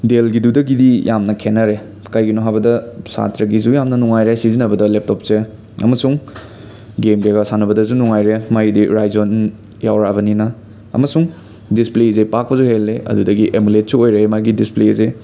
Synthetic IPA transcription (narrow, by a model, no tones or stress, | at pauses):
delɡidudɐɡidijamnɐkʰenːɐɾe | kajɡinoɦabɐdɐsa̰tɾɐɡizujamnɐnuŋajɾesizinɐbɐdɐlep̚top̚se | ɐ̰mɐsuŋ | ɡemɡeɡɐsanɐbɐdɐzunuŋajɾemajdiɾajzon | jawɾabɐninɐ | ɐ̰mɐsuŋ | displezepak̚pɐzuhelːeɐ̰dudɐɡiʔemulet̚suojɾeemajɡidispleze